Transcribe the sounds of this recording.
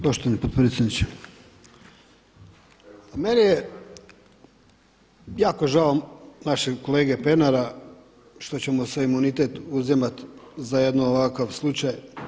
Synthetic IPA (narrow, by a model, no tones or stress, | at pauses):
poʃt̪oʋanipod̪pɾet̪sʲjed̪nit͡ɕe | amenije | jaːko̞ʒaonaʃeko̞leːɡepe̞naɾa | ʃt̪o̞t͡ɕe̞moseimunit̪e̞t̪uzimat̪zajed̪nooʋakaʋslˠut͡ɕaj